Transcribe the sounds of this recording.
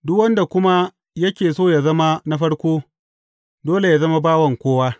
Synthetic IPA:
dʊ˦kwɐ˦nda˨kʷʊ˦ma˦ | jɐ˦kʲeː˨soː˦ja˨zɐ˦ma˦na˦ɸɐ˦ɽkʷoː˦ | doː˦le˨ja˨zɐ˦ma˦baː˦wɐ˨ŋkʷoː˦waː˦

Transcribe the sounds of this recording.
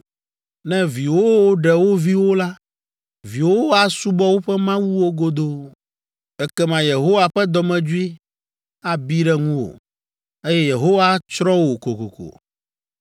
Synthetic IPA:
nɛ̃˦vi˨wo˦wo˦ɖɛ˨wo˦vi˦wo˦la˦ | vi˨wo˦a˨su˦bɔ˦wo˦ɸɛ˦mã˦wu˦wo˦ɡo˦d̪o˦ | ɛ˦kɛ˦mã˨je˨ɦo˦wa˨ɸɛ˦d̪ɔ˨mɛ̃˦d͡ʒu˦i˦ | a˨bi˦ɖɛ˦ŋũ˦wo̰˨ | e˦jɛ˦je˨ɦo˦wa˦t͡ʃɾɔ˦wo˨ko˨ko˨ko̰˨

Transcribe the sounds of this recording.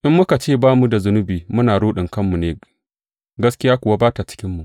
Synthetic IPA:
ʔɪ˦mːʊ˦ka˨t͡ʃeː˦˨baː˦mu˨da˨zʊ˦nʊ˦biː˨mʊ˦naː˨ɽoː˦ɗɪ˨ŋkɐ˦mːu˨neː˨ | ɡɐ˦skʲɪ˦jaː˦kʷʊ˨wa˦baː˦ta˨t͡ʃɪ̥˦kʲɪ˦mːu˨ʔ

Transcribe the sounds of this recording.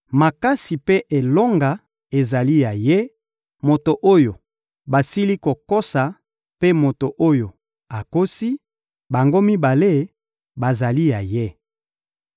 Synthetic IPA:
ma˨ka˦si˨pe˦ʔe˨lo˦ŋɡa˨ | e˨za˨li˦ja˨je˦ | mo˨to˨ʔo˦jo˨ | ba˨si˦li˦ko˨ko˦sa˨ | pe˦mo˨to˨ʔo˦jo˨ | a˨ko˦si˦ | ba˨ŋɡo˦mi˦ba˨le˦ | ba˨za˨li˦ja˨je˦

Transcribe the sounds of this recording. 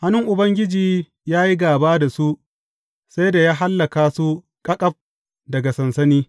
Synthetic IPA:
ha˦nʊ˦ŋʔʊ˨bɐ˦ŋɡʲɪ˦d͡ʒiː˨ | jaː˦ji˦ɡaː˨baː˦da˨su˦ʔ | sa˦jda˨jaː˦ɦa˦lːɐ˨kaː˨su˦ | kʼɐ˦kʼɐ˦ɸ̚ | dɐ˨ɡa˨sɐ˨nsɐ˦niː˦

